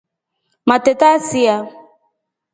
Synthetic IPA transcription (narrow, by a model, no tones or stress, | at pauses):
matɛtasia